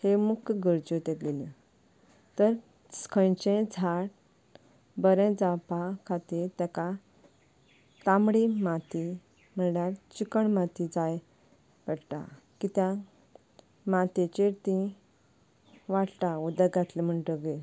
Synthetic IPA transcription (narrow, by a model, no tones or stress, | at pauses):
hemukʰjɡəɾd͡ʑot̪ẽɡelĩ | t̪əɾ | skʰə̃jt͡ɕẽd͡zʱaɽ | bəɾɛ̃d͡zapakʰat̪iːɾt̪ɛka | t̪ãmɽimat̪i | m̤əɳɽjaɾt͡ɕikəɳmat̪id͡zaj | pəɽʈ̪a̰ | kit̪ja | mat̪et͡ɕeɾt̪ĩ | ʋaʈt̪aud̪əɡat̪lem̤əɳʈəɡe